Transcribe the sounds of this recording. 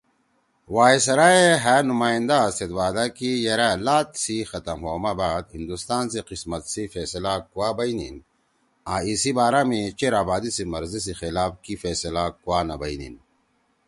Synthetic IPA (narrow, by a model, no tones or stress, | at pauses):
waːesɐɾaːeɦaːnumaːĩnd̪aːset̪waːd̪akijɐɾalaːt̪sixɐt̪ɐmɦoːmabaːd̪ɦind̪ust̪aːnseqismɐt̪sifeːsɐlakuwaːbɐinḭn | aːisibaːɾamẽt͡ɕeɾaːbaːd̪isimɐɾzis̬ixilaːbkifeːsɐlakuwaːnɐbɐinḭn